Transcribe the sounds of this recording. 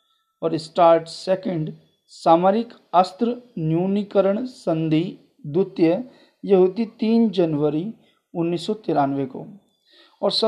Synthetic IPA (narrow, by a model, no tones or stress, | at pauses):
ɔːɾɪsʈaːɾʈseːkə̃ɳɖ | saːmaɾɪk | əst̪ɾənjuːnikəɾəɳ̃sə̃nd̪iː | d̪ʊt̪jə | jɐɦuːd̪it̪iːnd͡ʒɐnʋəɾi | ʊnːiːsːɔt̪ɪɾaːnʋeko̰ | ɔːɾsɐ